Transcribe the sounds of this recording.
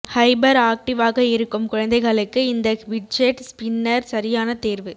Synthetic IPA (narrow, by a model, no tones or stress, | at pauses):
hɐɪbɐɾaːk̚ʈɪʋaːɣɐɪɾɯkːɯmkʊɻɐnd̪ɐɪɣɐɭɯkːɯɪnd̪ɐʋɪʈ̚d͡ʒeʈspɪnːɐɾsɐɾɪjaːnɐt̪eːɾʋɯ